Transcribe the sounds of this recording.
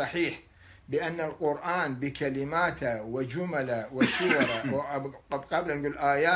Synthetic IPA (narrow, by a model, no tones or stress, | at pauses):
ɑħiːħ | bɪʔanːalqʊɾʔaːnbɪkalɪmaːt̪awɪd͡ʒʊmalawɪsʊwɾˤ | qablanɡuːlʔaːjaː